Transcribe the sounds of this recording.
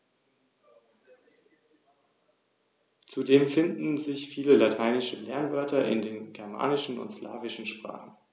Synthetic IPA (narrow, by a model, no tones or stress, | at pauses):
t͡sudeːmfɪndn̩zɪçfiːləlatʰaɪnɪʃəlɛɐnvœɐtʰɐʔɪ̰ndeːnɡɛɐma̰ːnɪʃn̩ʊ̰ntsla̰ːvɪʃn̩ʃpʁ̥a̰ːχn̩